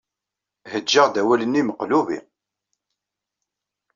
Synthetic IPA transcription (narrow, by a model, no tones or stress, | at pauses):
həd͡ʒːəʁd̪æwælənːiməqluvḭ